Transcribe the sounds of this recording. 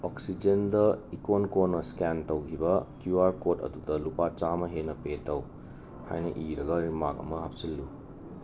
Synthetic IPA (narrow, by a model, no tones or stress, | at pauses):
oksid͡ʒendɐikonkonɐskentɐwkʰibɐkjuaɾkotɐ̰dudɐlupat͡ʃamɐɦenɐpetːɐw | ha̰jnɐʔiɾɐɡɐɾimakɐ̰mɐɦapsilːu